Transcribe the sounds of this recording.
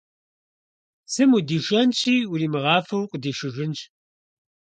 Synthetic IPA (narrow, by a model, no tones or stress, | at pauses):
sɨmudiːʃɐnɕʰʼiːwuriːmɨʁɑːfɐwqʼədiːʃɨʒɪnɕʰʼ